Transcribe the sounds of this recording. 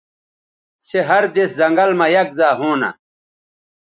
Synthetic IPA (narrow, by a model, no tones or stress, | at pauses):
seɦɐɾd̪eszɐŋɡɐlmɐjɐk̚zaːɦoːna̰